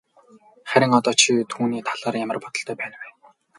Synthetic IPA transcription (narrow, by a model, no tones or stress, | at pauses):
χæɾʲɪ̆ŋɔt̪ɔːt͡ɕʰit̪ʰuːniːt̪ʰaɮaːrjamə̆rpɔt̪ɞ̆ɬt̪ʰœːpæːnwæː